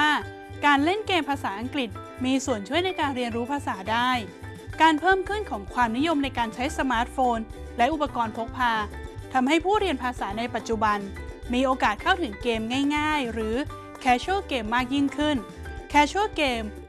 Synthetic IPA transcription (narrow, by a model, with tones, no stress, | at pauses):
aː˥˩ | kaː˧nle˥˩nkeː˧mpʰaː˧saː˩˦ʔa˧ŋkli˨˩t̪̚ | miː˧su˨˩ənt͡ɕʰu˥˩əjna˧jkaː˧nɾi˧ənɾuː˦˥pʰaː˧saː˩˦daː˥˩j | kaː˧npʰɤː˥˩mkʰɯ˥˩nkʰɔː˩˦ŋkʰwaː˧mni˦˥jo˧mna˧jkaː˧nt͡ɕʰa˦˥jsa˧maː˦˥t̪̚foː˧n | lɛ˦˥ʔu˨˩pa˧kɔː˧npʰo˦˥k̚pʰaː˧t̪ʰa˧mɦa˥˩jpʰuː˥˩ɾi˧ənpʰaː˧saː˩˦na˧jpa˨˩t̪̚t͡ɕu˨˩ba˧nmiː˧ʔoː˧kaː˨˩t̪̚kʰa˥˩wt̪ʰɯ˨˩˦ŋkeː˧mŋaː˥˩jŋaː˥˩jɾɯː˩˦ | kʰɛː˧t͡ɕʰɯ˥˩keː˧mːaː˥˩k̚ji˥˩ŋkʰɯ˥˩n | kʰɛː˦˥t͡ɕʰu˥˩keː˧m